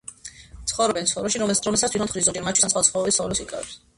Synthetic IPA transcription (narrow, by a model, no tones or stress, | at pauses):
t̪ʰχɔvɾɔbɛnt̪sχɔvɾɛʃiɾɔɾɔmɛlsat̪ʰitɾʰɔnt̪ʰχɾizɔɾiɾmat͡ʃʰu̥isansχwasʰχɔvɾɔbisɔvlɛsikʼa̰ɛ̰s